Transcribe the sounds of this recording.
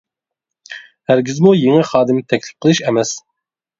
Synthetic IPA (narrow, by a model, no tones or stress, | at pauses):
hæɾɡʲizmujeŋɛχɑːd̪ɨmt̪ʰɛkʲlɪ̥p̚qʰəlˠɨʃɛmɛs